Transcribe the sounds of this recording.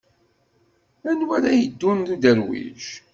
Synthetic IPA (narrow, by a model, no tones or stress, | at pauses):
ænwæɾæjəd̪ːunðud̪əɾwḭʒ